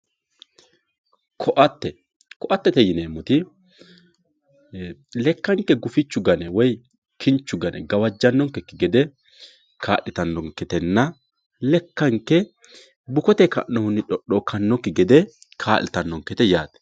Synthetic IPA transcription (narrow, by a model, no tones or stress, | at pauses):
kʰɔʔɐt̪ːɛ | kɔʔɐt̪ːɛt̪ɛjɪneːmːʊt̪ɪ | lɛkːɐŋkːɛɡʊfɪt͡ʃːʊɡɐnɛwɔj | kʰɪnt͡ʃːʊɡɐnɛ̰ɡɐwɐd͡ʒːɐnːɔŋkːɛkːɪɡɛd̪ɛ | kʰaːʔɪt̪ɐnːɔŋkːɛt̪ɛnːɐ | lɛkːɐŋkːɛ | bʊkɔt̪ɛkɐ̰nːɔhʊnːɪᶑɔɗɔkʰɐnːɔkːɪɡɛd̪ɛ | kʰaːlɪt̪ɐnːɔŋkɛt̪ɛjaːt̪ɛ̥